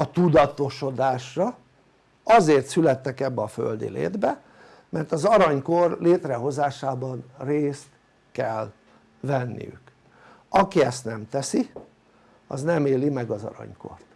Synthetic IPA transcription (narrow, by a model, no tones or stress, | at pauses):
ɒt̪ud̪ɒt̪o̞ʃo̞d̪aːʃrɒ | ɒzeːrt̪sylɛt̪ːɛkɛbːɛɒfø̰ld̪ḭlḛːd̪bɛ | mɛrt̪ɒzɒɾɒɲko̞rleːt̪rɛɦo̞zaːʃaːbɒnreːst̪ | kɛl | vɛnːḭjy̰k | ɒkiɛst̪nɛmt̪ɛsi | ɒ̰znɛmeːlimɛɡɒzɒ̰ɾɒ̰ɲko̞̰rt̪